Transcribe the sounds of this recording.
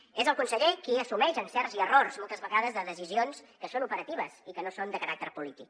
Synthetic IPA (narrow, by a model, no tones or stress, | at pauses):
ezəlˠkunsəʎekiəsumɛʒənsɛrziərorzmɔlˠt̪əzβəɣaðəzðəðəs̬izionskəsonupəɾət̪iβ̞əzikənosond̪əkəɾak̚t̪əɾpulit̪ik̚